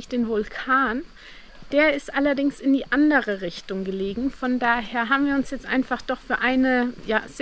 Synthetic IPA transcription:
çd̥eːnvʊlkʰaːn | d̥eːɐɪstʔalɐdɪŋsɪndiːʔandəʁəʁɪçtʊŋɡəleːɡŋ̩fɔndaːɦeːɐɦaːbmviːɐʊnsjɛt͡stʔaɪnfaχd̥ɔχfyːɐʔaɪnəjaːz̥

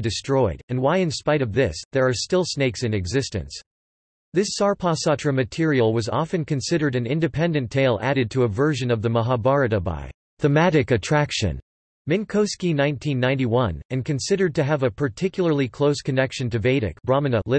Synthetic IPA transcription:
dɨstɹ̥ɔɪɾɨ̃nwaɪɨ̃nspaɪɾʌvðɪsðə˞ːstɪlˠsneɪksɨ̃nɨɡzɪstɨ̰̃ns | ðɪsɑɹpʰɑsɑtɹ̥ɨmɨtʰɪɹil̩ˠwʌzɑ̰fɨ̃nkʰɨ̃nsɪɾə˞ɾɨ̃nɪ̃ndɨpʰɛ̃ndɨ̃ntʰeɪlˠæ̰ɾɨd̚tʰɨːvɜ˞ʒɨ̃nʌvðɨməɦɑbɑɹɨɾəba̰ɪ | θəmæɾɨkɨtʰɹ̥ækʃɨ̰̃n | mɨ̃nkʰoʊskinãɪ̃ntʰĩnːãɪ̃niwʌ̃nɨ̃nkʰɨ̃nsɪɾə˞d̚tɨːvəpʰə˞tʰɪkjl̩ˠə˞lˠikʰl̥oʊskʰɨnɛkʃɨ̃ntɨveɪɾɨ̰k̚b̥ɹɑmɨ̃nəlɪ

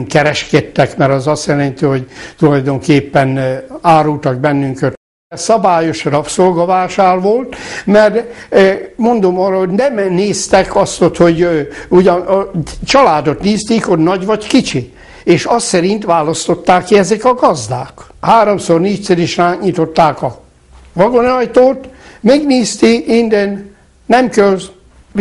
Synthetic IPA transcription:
mkɛɾɛʃkɛt̪ːɛkmɛɾɒzɒsjɛlɛnt̪iho̞ɟt̪ulɒjd̪o̞ŋkeːpːɛnaːɾult̪ɒɡ̚bɛnːyŋkøt̪ | sɒbaːjo̞ʃrɒpsolɡɒvaːʃaːrʋo̞lt̪mɛr | mo̞nd̪o̞mɒːrɒhoɟnɛmneːst̪ɛkʰɒst̪ot̪ho̞ɟuɟɒnt͡ʃɒlaːd̪ot̪niːst̪iːkhodnɒɟʋɒckit͡ʃi | eːʃɒsɛɾint̪ʋaːlɒst̪o̞t̪ːaːkːiɛzɛkɒɡɒzd̪a̰ːk | haːɾomsorniːt͡ʃ̪sɛɾiʃraːkɲit̪o̞t̪ːaːkɒ | vɒɡonɒjt̪oːt̪mɛɡniːst̪iind̪ɛnː | ɛmkøl

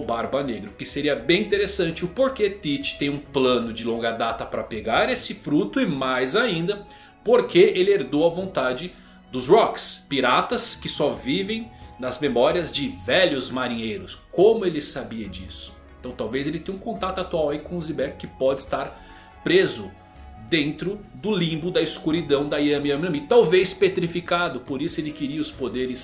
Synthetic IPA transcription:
ʊbaɾbɐneɡɾʊkɪseɾiɐbẽj̃ĩnt̪eɾesɐ̃nt͡ʃɪʊpoɾket̪it͡ʃɪ̥t̪ẽj̃ũplɐ̃nʊd͡ʒɪlõŋɡɐd̪at̪ɐpɾɐpeɡaɾesɪfɾut̪ʊɪmajzaĩnd̪ɐ | poɾkeelɪeɾd̪owɐvõnt̪ad͡ʒɪ | d̪ʊzɾɔkspiɾat̪ɐskɪsɔvivẽj̃nɐzmemɔɾiɐzd͡ʒɪvɛʎʊzmaɾĩɲejɾʊskõmʊelɪsabiɐd͡ʒḭsʊ̥eẽt̪ɐ̃w̃t̪awvezelɪt̪ẽj̃ũkõnt̪at̪ʊat̪uawɐikõʊzibɛkkɪpɔd͡ʒɪst̪aɾ | pɾezʊ | d̪ẽnt̪ɾʊd̪ʊlĩbʊd̪ɐiskuɾid̪ɐ̃w̃d̪ɐijɐ̃miɐ̃mɐ̃mit̪awvejspet̪ɾifikad̪ʊpoɾisʊelɪkɪɾiɐʊspod̪eɾɪs

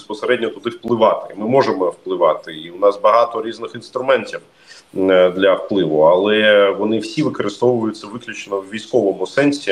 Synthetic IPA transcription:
spɔseɾɛdʲnʲɔt̪ʊd̪ɪwplˠɪʋɑt̪ɪmɪmɔʒemɔwplˠɪʋɑt̪ɪiʊnɑsbɐɦɑt̪ɔɾʲiznɪxinst̪ɾʊmɛnʲtʲiw | d̪lʲɐwplˠɪʋʊɐlˠɛʋɔnɪwsʲiʋɪkɔɾɨst̪ɔʋʊjʊt̪ʲsɐʋɪklʲʊt͡ʃenɔwːʲijsʲkɔʋɔmʊsɛnʲsʲi

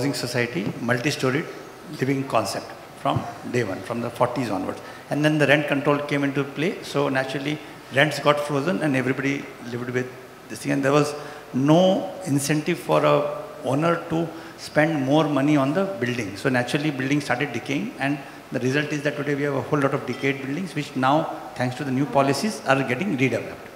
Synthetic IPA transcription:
ozɪ̃ŋsosaɪʈimʌlʈisʈoːɾɪɖ | lɪʋɪ̃ŋkɔ̃nsep̚ʈ | fɾɔ̃mɖeːʋʌ̃nfɾɔ̃md̪əfɔːɾʈizɔ̰̃ːnʋə̰ɾɖs | ɛ̃nd̪ɛ̃nd̪əɾɛ̃ɳʈ̚kə̃ɳʈɾoːlkẽːmɪ̃ɳʈuəpleːsoːnæt͡ʃʊɾəli | ɾɛ̃ɳʈsɡɔːʈfɾoːzə̃nɛ̃ɳɖeɛʋɾibɔɖi | lɪʋɖʋɪd̪̚ː | ɪst̪ɪ̃ŋɛ̃nd̪eɾʋɔz | noːɪ̃nsɛ̃ɳʈɪʋfɔːɾəoːnəɾʈu | spɛ̃ɳɖmɔːɾmʌniɔ̃nd̪əbɪlɖɪ̃ŋsoːnæt͡ʃʊɾəlibɪlɖɪ̃ŋstʈaːɾʈeɖ̚ːɪkeːɪ̃ŋɛ̃ɳ | d̪əɾɪzʌlʈɪzd̪æʈ̚ːuɖeːʋiːhæʋəhoːlːɔːʈɔʋɖɪkeːɖ̚bɪlɖɪ̃ŋzʋɪt͡ʃnaʊt̪ʰæ̃ŋksʈud̪ənjuːpɔlɪsizaːɾɡɛʈɪ̃ŋɾiɖɛʋɛlə̰p̚ɖ

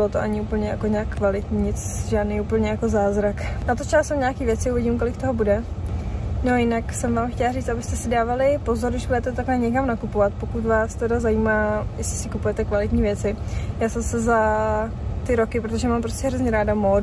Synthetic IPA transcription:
bɪlot̪oʔaɲɪup̩ɲɛjako̞ɲaːkːvalɪt̪ɲiːɲɪt͡sʒaːdnejupl̩ɲɛjako̞zaːzɾaknat̪ot͡ʃɛlsowɲaːkiːvjɛt͡sɪuvɪɟimkolɪkt̪o̞ɦobudɛ | nojɪnaksɛmvaːmxcɛlariːt͡st̪abɪst̪ɛsɪdaːvalɪpo̞zoɾdɪʒbudɛt̪ɛt̪aklɛɲɛkamnakupovat̪po̞kut̪vaːst̪ɛdazajiːmaːjɛsɪ̥sɪkupujɛt̪ɛkvalɪt̪ɲiːvjɛt͡sɪ | jaːsɛsɛza | t̪ɪɾo̞kɪpɾot̪o̞ʒɛmaːmpɾoscɛɦɾozɲɛɾaːdamo

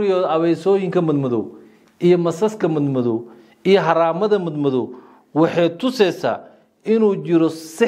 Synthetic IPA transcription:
ɾɪjɔːðɐβɛjsɔːjɪŋkʰɐmɐd̪mɐðɔ | ʔijɔmɐsɐskʰɐmɐd̪mɐðɔ | ijɔɦɐɾaːmɐðɐmɐd̪mɐðɔ | wɑħɑjt̪ʰʊsɛjsa̰ː | ɪnuːt͡ʃɪɾɔsɪ

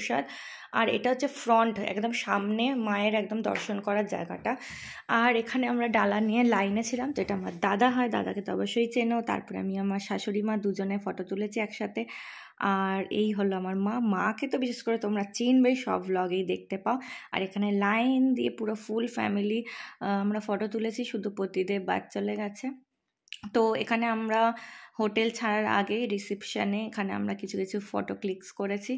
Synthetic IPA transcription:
ʃa̰ɾ | a̰ɾḛʈaɦotːʰefɾɔɳʈɛ̰kd̪omʃamnemaeɾɛkd̪omd̪ɔ̰ɾʃonkɔɾaɾd͡ʑa̰eɡa̰ʈa | aɾekʰaneamɾaɖalanijelajnet͡ɕʰilamt̪oeʈaamaɾd̪ad̪aɦɔed̪a̰d̪a̰ket̪ɔɔ̰boʃːoɦit͡ɕeneot̪a̰ɾpɔɾḛa̰miamaɾʃaʃoɾimãd̪ud͡ʑonefɔʈot̪ulet͡ɕʰiɛkʃat̪ʰe | aɾejɦoloamaɾmãmaket̪obiʃeʃkoɾet̪omɾat͡ɕinbejʃɔ̰blɔɡejd̪ek̚t̪epaoa̰ɾekʰanelajnd̪iepuɾofulfɛ̰miliamɾafɔʈot̪ulet͡ɕʰiʃud̪ʱupɾot̪id̪eɾba̰d̚t͡ɕoleɡɛt͡ɕʰe | t̪oḛkʰaneamɾahoʈelt͡ɕʰaɾaɾa̰ɡeɾisipʃaneekʰanea̰mɾakit͡ɕʰukit͡ɕʰufɔ̰ʈoklikskoɾet͡ɕʰi

